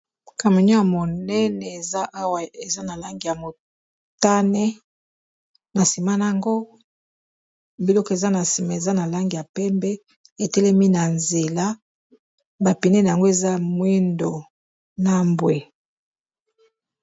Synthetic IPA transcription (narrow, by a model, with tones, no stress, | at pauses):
ka˨me˨ɲɔ˦ja˨mo˨nɛ˦nɛ˨e˨za˦ʔa˦wa˨e˨za˦na˨la˦ŋɡi˨a˨mo˨ | ta˦nɛ˦ | na˨si˨ma˦na˨a˨ŋɡo˦ | bi˨lɔ˦kɔ˦˨e˨za˦na˨si˨ma˨e˨za˦na˨la˦ŋɡi˨ja˨pɛ˦mbɛ˦ | e˨tɛ˦lɛ˦mi˦na˨nze˨la˦ | ba˨pi˨ne˦na˨a˨ŋɡo˦e˨za˦mwi˦ndo˨ | na˦mbwe˨